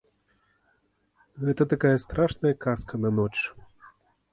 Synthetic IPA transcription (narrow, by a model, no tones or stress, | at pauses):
ɣɛt̪ɐt̪akajɐst̪ɾaʂnɐjɐkaskɐnɐnɔt͡ʂ